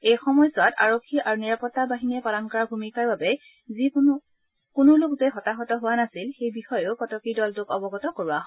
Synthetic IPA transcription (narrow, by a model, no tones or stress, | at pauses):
ejxɔmɔjsɔta̰ɹokʰːiʔaɹuniɹapɔtːabaɦiniɛpalɔnkɔɹabʱumikaɹbabɛ | zi | kʊnʊlʊkzɛɦɔtaxɔtɔɦʊwanasilxejbixɔjʊkɔtɔkidɔltʊkɔbɔɡɔtɔkoɹuwaɦɔ